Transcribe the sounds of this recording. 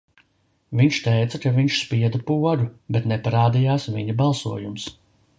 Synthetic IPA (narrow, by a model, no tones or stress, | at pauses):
viɲʃt̪ɛjt̪sɐkaviɲʃspiɛd̪ɐpuɔɾubɛt̪nɛpaɾaːd̪ijaːsviɲubalˠsṵɔjums